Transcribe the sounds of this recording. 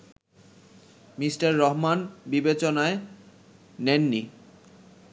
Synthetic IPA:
misʈaɾːɔɦmanbibet͡ɕonae | nenːi

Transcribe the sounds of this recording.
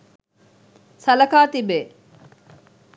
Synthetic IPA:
sɐlɐkaːt̪ibeː

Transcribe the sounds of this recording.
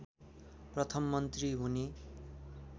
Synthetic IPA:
prʌt̪ʰʌmːʌnt̪riɦune

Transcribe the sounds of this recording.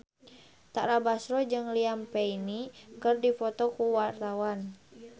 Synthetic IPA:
t̪a̰ɾabasɾɔd͡ʒɨŋliampɛinikɨrdifɔt̪ɔkuwart̪awan

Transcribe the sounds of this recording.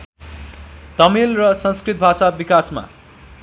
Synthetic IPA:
t̪ʌmilrʌsʌ̃nskrit̪̚bʱasabikasma̰

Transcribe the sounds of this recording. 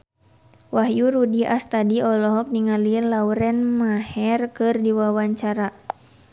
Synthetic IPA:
wahjuɾudiast̪adiɔlɔɦɔk̚niŋalilauɾɛnmahɛrkɨrdiwawaɲt͡ʃaɾa

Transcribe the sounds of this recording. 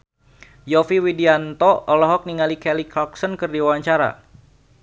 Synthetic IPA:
jɔfiwidiant̪ɔɔlɔɦɔk̚niŋalikɛlikɾɔksɔnkɨrdiwawaɲt͡ʃaɾa̰

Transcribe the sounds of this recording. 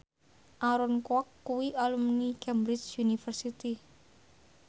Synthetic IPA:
ʔaɾɔnkwɔkːuwiʔalumnikɛmbɾɪt͡ʃunifərsit̪i

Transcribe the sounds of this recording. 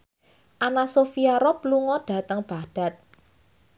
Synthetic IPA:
ʔanasofiaɾɔp̚luŋɔd̥ä̤t̪əŋb̥a̤d̥a̤t̪̚

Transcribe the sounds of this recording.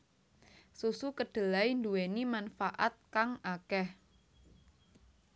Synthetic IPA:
susukəɖ̥ə̤lajnduwenimanfaʔa̰t̪̚kaŋakɛh

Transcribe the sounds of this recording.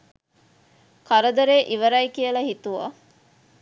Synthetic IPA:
kɐɾəd̪ɐɾeːʔiʋəɾɐjkijəlɐɦit̪uʋɐ̰

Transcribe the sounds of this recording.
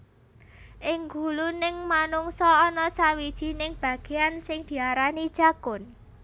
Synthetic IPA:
ʔɪŋɡulunɪŋmanuŋsɔːnɔsawid̥ʒ̥i̤nɪŋb̥ä̤ɡ̥e̤ansɪŋd̪̥i̤aɾanid̥ʒ̥a̤ɡ̥ʊn

